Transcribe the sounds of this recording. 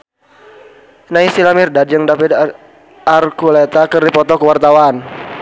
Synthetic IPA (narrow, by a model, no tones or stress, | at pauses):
naisilamirdad̚jəŋdapid | arkulet̪akərdipɔt̪ɔkəwart̪awan